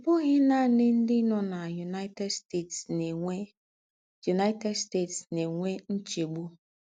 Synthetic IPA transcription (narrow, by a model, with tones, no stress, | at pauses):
bʊ˦ɣɪ˦na˦˨nɪ˦n̩˦dɪ˦nɔ˨na˨ju˨na˦te˦ste˦˨tse˨e˦ | ju˨na˦ɪ˦te˦dste˦˨tsne˨ŋʷe˦n̩˦t͡ʃe˨ɡ͡bu˦